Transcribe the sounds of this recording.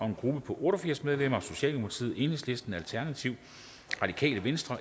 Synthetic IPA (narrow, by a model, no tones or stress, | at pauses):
ɒ̽e̝nɡ̥ʁub̥əpʰɒ̽ʔɔːɾ̥ɒfiɐ̰smeð̞ˠlem̰ɐɒ̽so̝ɕɛ̰ːld̥imopʰɑ̈t͡sʰḭð̰̩ˠe̝ːnhesle̝sd̥n̩ælt͡sʰæɐnæt͡sʰiʊ̰ | ʁɑ̈d̥ikʰɛ̰ːləʋensd̥ʁɐ